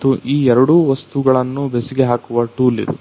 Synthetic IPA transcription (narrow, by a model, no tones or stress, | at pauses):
t̪ːuʔiːɛɾɐɽuʋɐst̪uɡɐɭɐnːubesiɡeɦaːkuʋɐʈuːlḭd̪ṵ